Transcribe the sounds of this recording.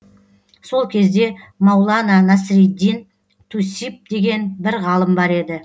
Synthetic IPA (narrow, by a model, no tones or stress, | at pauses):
so̞lˠkʲʰe̞zd̪e̞mɑwlˠɑnɑnɑsɾid̪ːin | t̪ʰusip̚d̪̥e̞ɡʲe̞nbɪɾʁɑlˠəmbɑɾe̞d̪ɪ